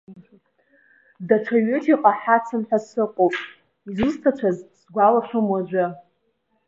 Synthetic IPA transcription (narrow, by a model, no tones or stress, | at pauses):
daʈ͡ʂʷʰaɥetʰiqʼaħat͡sʰɨnħʷᶣasɨqʷʼowpʼ | izustʰat͡ʃʷʰazsɡʷalaʂʷʊmwaʒʷɨ